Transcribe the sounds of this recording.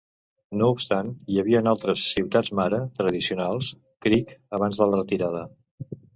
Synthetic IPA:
noupst̪anjəβiənalˠt̪ɾəsːiwt̪ad͡zmaɾət̪ɾəðisiunalˠs | kɾikəβ̞anzðələrət̪iɾað̞ə

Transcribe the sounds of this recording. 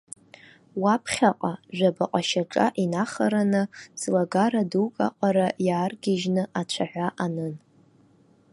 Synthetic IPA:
wapʰχʲaqʼaʒᶣʷabaqʼaʃaʈ͡ʂʼa̰ʔinaχaɾanɨzlaɡaɾadukʼa̰qʼaɾajaːrɡʲɪʒnɨʔat͡ʃʷʰaħʷᶣaʔanɨn

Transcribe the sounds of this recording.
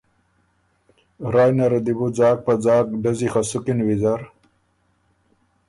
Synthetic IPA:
ɾaːjnɐɾɐd̪ibud͡zaːk̚pɐd͡zaːk̚ɖɐzixasukinwizaɾ

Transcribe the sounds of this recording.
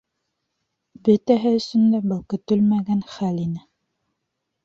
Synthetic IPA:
bɵ̆t̪æɦɘɵ̆sɵ̆nd̪æbæwkɵ̆t̪ɵlmæɡænχælinɘ

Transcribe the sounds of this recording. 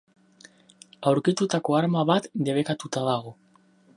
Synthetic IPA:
awɾkit̪ut̪ako̞aɾmaβat̪d̪e̞βe̞kat̪ut̪aðaɣ̞o

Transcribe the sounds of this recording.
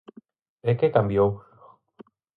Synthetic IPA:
ekekambjow

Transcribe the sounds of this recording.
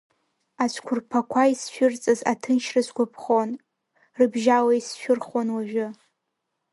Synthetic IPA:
at͡ʃʷʰkʷʰʊrpʰakʷʰaisʃᶣʊrt͡sʼaza̰tʰɨnʃrɨzɡʷʊpʰχon | rɨbʒawajsʃᶣʊrχonwaʒᶣʊ

